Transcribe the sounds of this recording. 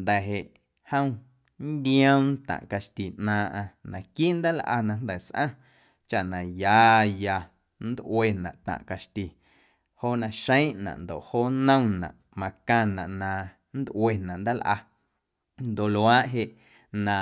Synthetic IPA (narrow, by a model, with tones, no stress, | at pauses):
nd̪ɛ˨ɦe˨ʔ | hə̃˦w̃ | nd̪ĩ˦ə̃˦wn˦t̪ã̰˨ʔka˧ʃt̪i˨ʔnãː˧ʔã˧nã˨kiː˦ʔnd̪a˦lʔa̰˧nã˧nd̪ɛ˨sʔã̰˦˨ | t͡ʃa˧ʔnã˨jaː˨˦ja˧ | n˦d̪ʔwe˧˨nã̰˨ʔt̪ã̰˨ʔka˧ʃt̪i˨ | ho˦˨nã˧ʃə̃˦j̃ʔnã̰˨ʔnd̪o̰˨ʔhoː˦nə̃˦w̃nã̰˨ʔ | mã˧kã˧nã̰˨ʔnã˧ | nd̪ʔw̰e˧˨nã˨ʔnd̪a˦lʔa̰˧ | nd̪o˨ʔlwaː˦ʔɦe˧ʔ | nã˨